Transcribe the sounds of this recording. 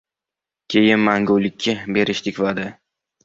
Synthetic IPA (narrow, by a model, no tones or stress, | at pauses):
kʲʰe̞jɪnmaŋɡʊwlɪkʲʰːabe̞ɾɪʃt̪ʰɪkʲvad̪ɪ